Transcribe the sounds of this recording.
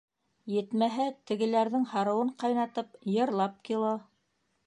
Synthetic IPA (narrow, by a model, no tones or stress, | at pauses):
jɘ̆t̪mæɦæt̪ɘ̆ɡɘ̆læɾðɘŋhɑɾɤ̆wɤɴqɑjnɑt̪ɤpjɤ̆ɾlˠɑp̚kilˠo